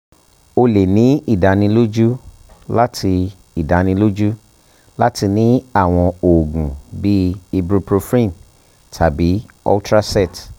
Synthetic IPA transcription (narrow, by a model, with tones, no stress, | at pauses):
o˧le˨nĩ˨˦i˦˨da˨nĩ˧˦lo˦d͡ʒu˦ | la˦tʰi˧ | i˨da˨nĩ˧˦lo˦d͡ʒu˦ | la˦ti˧nĩ˦a˦˨w̃ɔ̃˧o˨ɡũ˨bi˦i˧bɾu˦pɾo˧fɾĩ˦˨n | tʰa˨bi˨˦ | ɔ̰˦ltɾa˦sɛ˦˨t